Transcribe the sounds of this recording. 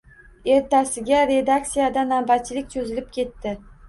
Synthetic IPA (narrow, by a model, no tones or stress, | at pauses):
e̞ɾt̪ʰasɪɡʲaɾe̞d̪ak̚t̪sijad̪anabat̪̚t͡ʃʰɪlɪk̚ʲt͡ʃʰɵzɪlɪp̚kʲʰe̞t̪ːɪ